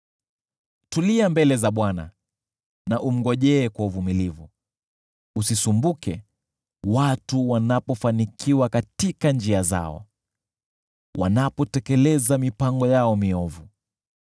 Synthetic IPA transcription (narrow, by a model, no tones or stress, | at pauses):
tuliambɛlɛzaɓwana̰ | naʔum̩ɡɔʄɛːkwauvumilivu | usisumbukɛ | watuwanapɔfanikʰiwakatikand͡ʒiaza̰ɔ̰ | wʔa̰napɔtɛkɛlɛzamipaŋɡɔjaɔmiɔvu